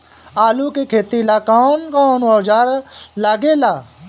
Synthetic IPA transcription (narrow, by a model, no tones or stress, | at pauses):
aːluːkekʰeːt̪ilaːkaːnkaːnoːd͡ʒaɾlaːɡeːlaː